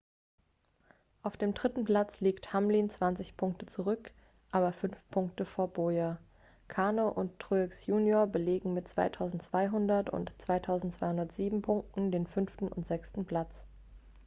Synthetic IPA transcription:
ʔaʊfd̥eːmdʁɪtn̩pl̥at͡sliːkthamliːnt͡sv̥ant͡sɪçpʰʊŋk̚tət͡suʁʏk | ʔaːbɐfʏnfpʰʊŋk̚təfoːɐboja | kʰaːnoʔʊnttːʁ̥uːɪksjuːnjoːɐbəleːɡŋ̩mɪtt͡sv̥a̰ɪtʰaʊzn̩tt͡sv̥aɪɦʊndɐtʊ̰ntt͡sv̥aɪtʰaʊzn̩tt͡sv̥aɪhʊndɐtz̥iːbm̩pʰʊŋk̚tn̩deːnfʏnftn̩ʊ̰ntz̥ɛkstn̩pʰl̥at͡s

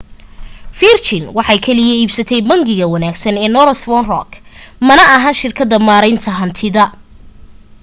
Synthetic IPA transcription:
firt͡ʃɪnwɑħɑjkʰɛlɪjɐiːbsɐt̪ʰɛjbɐŋɡɪɣɐwɐnaːɡsɐnɛːnɔɾθwɔnrɔ̰kʰmɐnɐɐɦɐnʃɪrkʰɐðɐmaːɾɛjnt̪ʰɐɦɐnt̪ʰɪðɐ

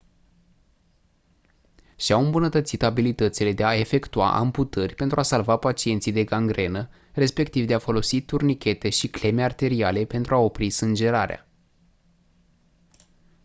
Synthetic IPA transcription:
ʃiawɨmbunət̪ət̪sit̪abilit̪ət̪sile̞d̪e̞ae̞fe̞kt̪ua̰ʔa̰mput̪ərʲpe̞nt̪ɾuasalvapat͡ʃie̞nt̪sijd̪e̞ɡaŋɡɾe̞nə | re̞spe̞k̚t̪ivd̪eafo̞lo̞sit̪urnikʲe̞t̪e̞ʃikle̞me̞art̪e̞ɾiale̞pe̞nt̪ɾʔuao̞pɾisɨnd͡ʒe̞ɾaɾea̰

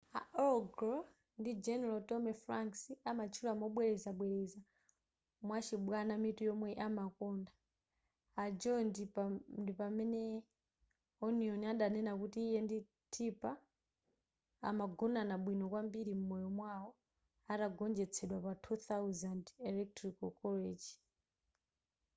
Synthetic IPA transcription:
a̰ʔɔɡɾɔ | ndid͡ʒɛnɛɾatɔmɛfɾaŋksiamat͡ʃʰulɔamɔɓwɛɾɛzaɓwɛɾɛza | mwat͡ʃʰiɓwanamitujɔmwɛʔamakɔndaː | d͡ʒɔndindipamɛnɛ | ɔniɔniaɗanɛnakutiːjɛndi | tʰipa | a̰maɡɔnanaɓwinɔkwambiɾimumɔjɔmwawɔ | ataɡɔnd͡ʒɛt͡sʰɛɗwapatʰut̪awzandɛlɛk̚tɾikɔkɔled͡ʒi

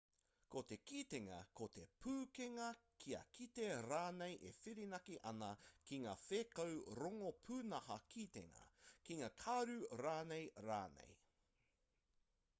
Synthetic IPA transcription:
kot̪e̞kit̪eŋɐ̰kot̪epʰʉːkeŋɐkʰiɐ̰kit̪e̞ɾaːnejʔefiɾinɐkiʔɐnɐkiŋa̰ːfeːkɐwɾoŋopʰʉːnɐhɐkʰit̪ḛŋɐ̰kiŋaːkʰaɾʉɾaːnejɾa̰ːnḛj

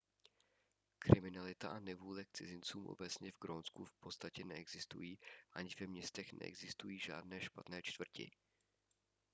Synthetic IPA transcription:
kɾɪmɪnalɪt̪aʔanɛvuːlɛk̚t͡sɪzɪnt͡suːmʔo̞̰bɛt͡sɲɛvɡɾonskufpo̞t͡sst̪acɛnɛɛɡzɪst̪ṵjiːʔaɲɪvɛmɲɛst̪ɛxnʔɛ̰ʔɛ̰ɡzɪst̪ujiːʒa̰ːdnɛːʃpat̪nɛːt͡ʃt̪vr̩cɪ̰

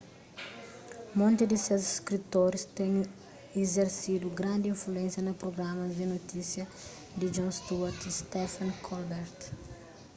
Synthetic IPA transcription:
mõnt̪ɪd̪ɪsewziskɾit̪oɾɪst̪ẽɲ | ezeɾsid̪uɡɾãnd̪ɪĩnfluẽnsjɐnɐpɾoɡɾamɐzd̪ɪnot̪isjɐ | d̪ɪd͡ʒõst̪uɐɾt̪st̪ɛfɐ̃nkʰɔlbɛɾt̪

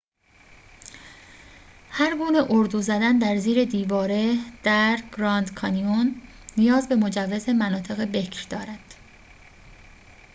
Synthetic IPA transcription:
hæɾɡuːne̞ʔoɾd̪uːzæd̪ænd̪æɾziːɾe̞d̪iːvɒːɾe̞d̪̥æɾɡ̥ɾɒːnd̪kʰɒnionː | ijɒːzbe̞mo̞d͡ʒævːeze̞mænɒːt̪ʰe̞ɣe̞be̞cʰɾd̪̥ɒːɾæd̪̥

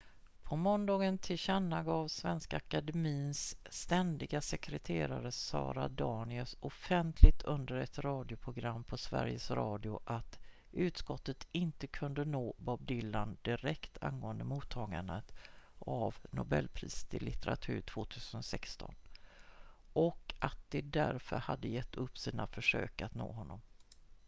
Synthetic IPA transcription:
pʰɔmɔnd̪ɑːɡənt̪ʰɪlɕanːaɡɑːvsvɛnskaakad̪ɛmiːnsːt̪ɛnd̪ɪɡasɛkɾɛt̪ʰeːɾaɾəsɑ̰ːɾad̪ɑːɳɪəsɔfɛnt̪ʰlɪɡ̚t̪ʰɵnd̪əɾɛt̪ɾɑːd̪ɪʊpʰɾʊɡɾamːpʰɔsvæ̰ɾjəsɾɑːd̪ɪʊʔat̪ | ʔʉ̟ːt̪skɔt̪ːət̪ɪnt̪əkʰɵnd̪ənoːbɔb̚d̪ɪlːand̪̥ɪɾɛkt̪ʰa̰nɡoːənd̪əmuːt̪ʰːɑːɡanət̪ʔavnʊbɛlːpʰɾiːsə̥t̪ʰɪlːɪt̪ɛɾa̰t̪ʰʉ̟ːɾʈʰv̥oːt̪ʰʉ̟ːsənsɛkst̪ɔn | ʔɔkat̪̚d̪ɛd̪æɾfœɾhad̪ːəjɛt̪ʰːɵpːsiːnafœʂø̰ːkat̪no̰ːɦɔnːɔm

